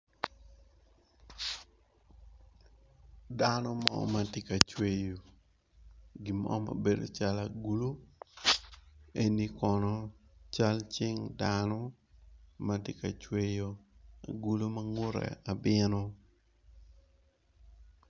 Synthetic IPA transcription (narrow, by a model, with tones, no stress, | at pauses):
da˦nɔ˦mɔ̰˦ma˨ti˦ka˨t͡ʃwe˨jo˨ | ɡi˨mɔ̰˦ma̰˨be˨do̰˨t͡ʃa˦la˨ɡu˦lo˦ | e˦ni˦kɔnɔ˦t͡ʃa˦lt͡ʃɪ˦ŋdanɔ˦ | ma˨tɪ˦ka˨t͡ʃwe˦jo˨a̰˨ɡu˦lo˦ma˦ŋo˦ɾɛ̰˨a˨bɪ˦nɔ˦